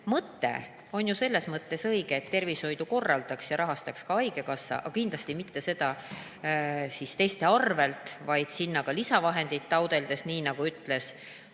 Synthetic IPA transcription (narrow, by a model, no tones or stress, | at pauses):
mɤt̪ːe̞̰ | o̞njuse̞lːe̞smɤt̪ːe̞sɤjɡ̥eːt̪ːe̞rvisho̞jd̪uko̞rːɑld̪̥ɑksjɑɾʔɑɦɑst̪ɑkskɑɑjɡe̞kɑsːɑ̰ʔɑkind̪lɑst̪imit̪ːe̞se̞d̪̥ɑ | sist̪e̞jst̪e̞ɑrve̞lt̪vɑjd̪̥sinːɑkɑlisɑvɑɦe̞nd̪̥it̪ːɑwd̪e̞ld̪e̞sniːnɑɡ̥uyt̪ːˑle̞s